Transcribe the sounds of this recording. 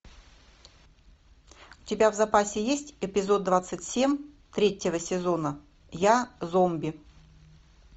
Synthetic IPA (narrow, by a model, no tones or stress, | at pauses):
ʊ̥tʲɪbʲavzɐpasʲɪjesʲtʲɪpʲɪzo̞d̪̚d̪vat̪sɨtʲsʲemʲ | t̪ɾʲetʲːɪvəsʲɪzo̞nə | jazombʲɪ